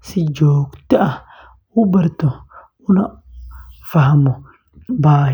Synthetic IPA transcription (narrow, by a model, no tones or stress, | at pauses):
sɪd͡ʒoːkt̪ɪʔɐ | ubɐɾt̪ɔ | ʊnɐ | fɐɦɐmʊ | baː